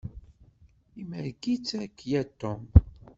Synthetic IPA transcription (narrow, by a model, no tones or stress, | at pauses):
iməɾɡit͡sːækːjæt̪ːʊm